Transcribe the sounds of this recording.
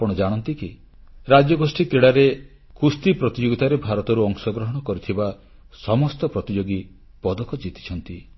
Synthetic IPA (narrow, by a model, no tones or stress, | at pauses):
apɔɽ̃ɔd͡ʒaɽ̃ɔnt̪iki | ɾad͡ʒjɔɡosʈik̪ɾeɽaɾe | kust̪ipɾɔt̪id͡ʒoɡit̪aɾebʱaɾɔt̪ɔɾuɔŋsɔɡɾɔɦɔɽ̃ɔkɔɾit̪ʰiba | sɔmɔst̪ɔpɾɔt̪id͡ʒoɡi | pɔd̪ɔkɔd͡ʒit̪i̥t͡ʃʰɔnt̪i